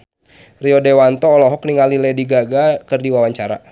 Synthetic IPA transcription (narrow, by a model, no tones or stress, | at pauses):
riɔdewant̪ɔːlɔɦɔkniŋalilɛdiɡaɡakərdiwawaɲt͡ʃaɾa̰